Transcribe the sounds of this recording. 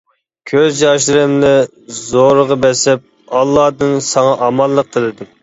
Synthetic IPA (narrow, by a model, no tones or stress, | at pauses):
kʲʰøzjɑʃɨɾɪmlɪ | zoɾəʁɑbɛsɪp̚ | ɑlˠːɑd̪ɨnsɑŋɑʔɑmɑlˠːəq̚t̪ʰɨlɪd̪ɪm